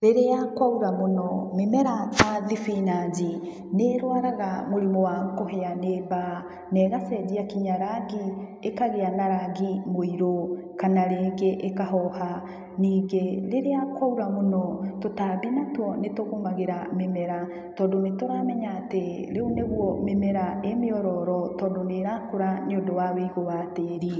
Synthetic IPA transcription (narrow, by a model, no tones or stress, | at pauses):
ɾeɾeakwauɾamonɔmemɛɾaaðifinad͡ʒi | neɾwaɾaɣamoɾimɔwakoɦɛaneba | nɛɣasɛd͡ʒiakiɲaɾaɡi | ekaɣeanaɾaɡimoiɾo | kanaɾeːɡeʔekaɦɔha | niːɡeɾeɾeakwauɾamonɔtotaːbinatwɔnetoɣomaɣeɾamemɛɾa | tɔːndonetoɾaːmɛɲaːteɾeuneɣwɔmemɛɾaʔemeɔɾɔɾɔtɔːndoneɾakoɾaneondowaweiɣowateɾi